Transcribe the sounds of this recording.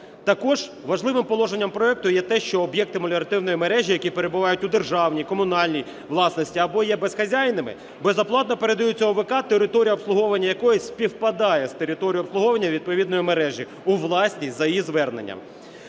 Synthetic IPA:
t̪ɐkɔʒ | ʋɐʒlˠɪʋɪmpɔlˠɔʒenʲːɐmpɾɔɛk̚t̪ʊjɛt̪ɛʃt͡ʃɔːbjɛk̚t̪ɪmɐlʲeɾɐt̪ɪwnɔjimeɾɛʒʲijɐkʲipeɾe̞bʊʋɑjʊtʲʊd̪erʒɑwnʲijkɔmʊnɑlʲnʲij | ʋlˠɑsnɔsʲtʲiɐbɔjɛbesxɐzʲajnɪmɪ̰ | bezɐplˠɑt̪nɐpeɾed̪ɐjut͡sʲːɔɦɔʋekɑt̪eɾɪt̪ɔɾʲijɐɔpslˠʊɦɔʋɐnʲːɐjɐkɔjisʲpʲiwpɐd̪ɑjɛst̪eɾʲɪt̪ɔɾʲijʊɔpsˠʊɦɔʋɐnʲːɐʋʲid̪̚pɔʋʲid̪nɔjimeɾɛʒʲi | uʋlˠɑsʲnʲisʲtʲzɐjjizʋɛrnḛnʲːɐ̰m

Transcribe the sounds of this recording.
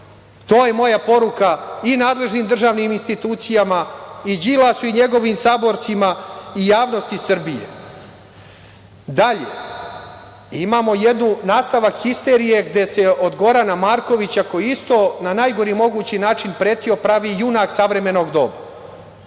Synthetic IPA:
t̪o̞ːje̞mo̞japo̞ɾukainaːd̪le̞ʒnimd̪r̩ʒaːʋniminst̪it̪uːt̪sijamaid͡ʑilasuiɲe̞ɡo̞ʋimsaːbo̞ɾt̪simaijaːʋno̞st̪isr̩bijḛ | d̪aʎḛ | imaːmo̞jed̪nunaːst̪aʋakxist̪e̞ɾije̞ɡd̪e̞se̞ʔo̞d̪ɡo̞ɾanamaːɾko̞ʋit͡ɕako̞jiist̪o̞ːnanajɡo̞ɾimo̞ɡuːt͡ɕinaːt͡ʃinpɾeːt̪io̞pɾaʋijunaksaʋɾe̞me̞no̞ɡd̪o̞̰ːba

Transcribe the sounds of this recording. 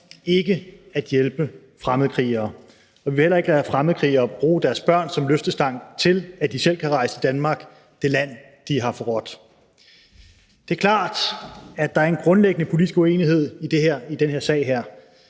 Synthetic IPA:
e̝ɡ̥əæd̥jelb̥ə | fʁamð̞̩ˠkʰʁḭːɐː | ɒ̽ʋiʋe̝helɐe̝ɡ̥əlæfʁaməð̞̩ˠkʰʁḭːɐːb̥ʁuːd̥æɐsb̥ɶɐ̰nsɒ̽mløfd̥əsd̥ɑ̈ŋ̰t͡sʰe̝læd̥isel̰kʰæʁɑ̈ɪsə̥id̥ænmɑ̈ːɡ̥ | d̥e̝læn̰ | d̥iɦɑ̈fɒ̽ʁɒ̽d̥ | d̥e̝ɐkʰlɑ̰̈ːd̥æ̥ɑ̈æɐenɡ̥ʁɔ̽nleɡ̥ənəpʰo̝lid̥isɡ̥ue̝̰ːniɦe̝ð̞̰ˠid̥e̝ɦæɐ̰id̥enheɐ̰sɛ̰ɪɦæɐ̰

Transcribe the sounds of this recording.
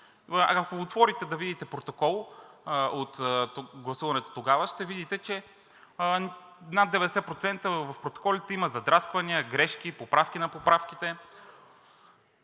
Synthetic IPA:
akoot̪vɔɾit̪ɛd̪ɐvid̪it̪ɛpɾot̪okɔlˠ | ot̪ɡlˠɐsuvɐnɛt̪o̥t̪oɡavəʃt̪ɛvid̪it̪ɛt͡ʃɛ | nad̪d̪ɛvɛd̪ɛsɛpɾot̪sɛnt̪əvɐfpɾot̪o̥kɔlʲit̪ɛiməzɐd̪ɾaskvɐniəɡɾɛʃk̟ipopɾafk̟ʲinɐpopɾafk̟it̪ɛ

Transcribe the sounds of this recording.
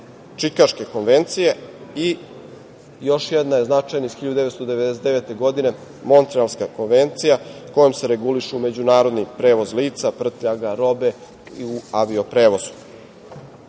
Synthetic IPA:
t͡ʃikaʃke̞ko̞nʋe̞nt̪sije̞i | jo̞ʃjɛd̪naje̞znat͡ʃajnaisxiʎad̪d̪eet̪od̪ee̞d̪eset̪eet̪e̞ɡo̞d̪ine̞ | mo̞nt̪ɾialskako̞nʋe̞nt̪sijako̞jomse̞ɾe̞ɡuliʃume̞d͡ʑunaːɾo̞d̪nipɾe̞ːʋo̞zliːt̪sapr̩t̪ʎaɡaɾo̞be̞ | iuaʋio̞pɾe̞ːʋo̞zu̥

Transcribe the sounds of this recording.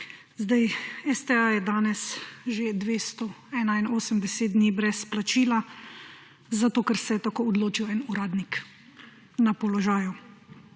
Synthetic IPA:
zd̪ajɛst̪ɛajɛd̪aːnɛsʒed̪ʋeːst̪ɔɛːnainoːsəmd̪ɛseːt̪d̪niːbɾɛsplat͡ʃiːla | zat̪oːkɛɾsɛɛt̪akoːɔd̪loːt͡ʃiwɛnuɾaːd̪nik | napɔlɔʒaːju

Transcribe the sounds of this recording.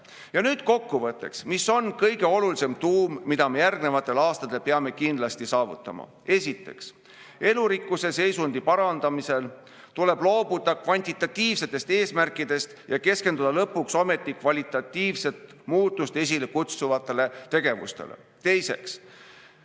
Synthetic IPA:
jɑnyːd̪̥̚ko̞kːuvɤt̪ːˑe̞̰ksmiso̞nkɤjɡe̞o̞lulise̞mt̪uːmːid̪̥ɑme̞jærɡne̞vɑt̪ːˑe̞lɑːst̪ɑd̪e̞lpeɑme̞kind̪lɑst̪isɑːvṵt̪ːˑɑmɑ̰ | e̞sit̪ːˑe̞̰ks | e̞luɾikːˑuse̞se̞jsund̪̥ipɑɾɑnd̪̥ɑmise̞l | t̪ule̞b̥lo̞ːb̥ud̪̥ɑkvɑnʲt̪ʲit̪ːˑɑt̪ʲːiːvse̞t̪ːˑe̞st̪e̞ːsmærkːˑid̪̥e̞st̪jɑke̞ske̞nd̪ud̪̥ɑlɤpːukso̞me̞t̪ˑːikvɑlʲit̪ˑɑt̪ːiːvse̞t̪ˑ | muːt̪ːˑust̪e̞s̬ʲilekut̪suvɑt̪ˑːe̞le̞t̪e̞ɡ̥e̞vṵst̪e̞̰lḛ | t̪e̞jse̞ks

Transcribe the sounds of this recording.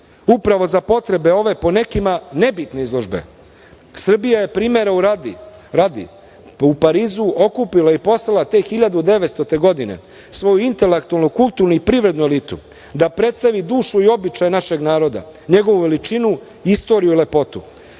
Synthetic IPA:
upɾaʋo̞zapo̞t̪ɾe̞be̞o̞ʋe̞po̞ne̞kimane̞bit̪ne̞izlˠo̞ʒbḛ | sr̩bijaje̞pɾiːmeɾau | ɾad̪ḭ | upaɾiːzuʔo̞kupilaipo̞slˠalˠat̪e̞ːxiʎad̪ud̪e̞ʋet̪st̪o̞t̪e̞ɡo̞d̪ine̞̰ | sʋo̞juint̪elekt̪ualnukulˠt̪uːɾnuipɾiːʋɾe̞d̪nueliːt̪ṵ | d̪apɾe̞t̪st̪aʋid̪uːʃuio̞bit͡ʃajenaʃe̞ɡnaːɾo̞d̪a̰ɲe̞ɡo̞ʋuʋe̞lit͡ʃinu | ist̪o̞ːɾijuile̞po̞t̪u

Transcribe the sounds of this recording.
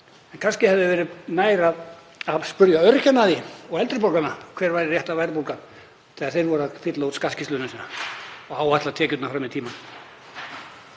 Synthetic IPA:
ɛnkʰanscɪhɛvðɪʏvɛːɾɪnaːjɾað | avspʏɾjaœɾcɛnːaðɪɔɣɛlt̪ɾɪpowkanakʰvɛːɾvaːjɾɪrjɛht̪avajɾapulkan | θɛɣaɾ̥θejɾvɔɾafɪt̪laut̪skascɪst̪ʏnʏsiːnaɔɣaːwat̪lat̪ʰɛːcʏt̪nafɾamɪðt̪ʰiːman

